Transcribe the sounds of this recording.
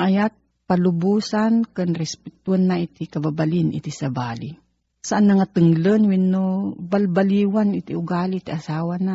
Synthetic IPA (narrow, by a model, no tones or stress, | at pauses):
ʔajat̪̚ | palʊbuːsankɨnɾɛspɛt̪wanːaʔit̪ikababalɪnʔɪ̰t̪isabaːli | saʔanːaŋat̪ɨŋlənwinːobalbaliwanit̪iʊɡaːlit̪iʔasaːwana